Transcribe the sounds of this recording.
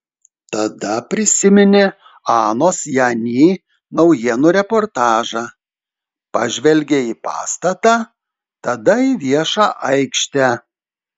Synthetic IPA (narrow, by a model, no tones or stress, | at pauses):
t̪ɐd̪ɐpʲɾʲɪsʲɪmʲɪnʲɪ | ɑːnoːsjɑːnʲiː | nɒʊjiɛnʊɾʲɛpɔɾt̪ɑːʒɑː | pɐ̰ʒʲʋʲɛlʲɡʲeiːpɑ̰ːst̪ɐt̪ɑː | t̪ɐd̪ɐiʋʲiɛʃɑːʔɐɪkʃʲt̪ʲæ